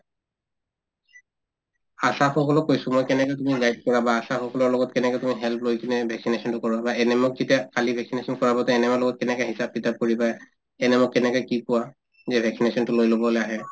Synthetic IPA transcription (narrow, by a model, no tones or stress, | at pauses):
asaxɔkɔlɔkːojsʊmojkɛnɛkɔjtumiɡajp̚kɔɹabaːsaxɔkɔlɔɹlɔɡɔtkɛnɛkɛjtumiɦɛlplojkinɛbʱɛksinesɔntʊkɔɹɔbaɛnɛmʊk̚zetiakalibʱɛksinesɔnkɔɹabɔtɛɛnɛmalɔɡɔt̚kɛnɛkɛɦisab̚pitap̚koɹipa | ɛnɛmʊkːɛnɛkɔjkikʊwa | zɛbʱɛksinesɔntʊlojlobɔlɛaɦɛ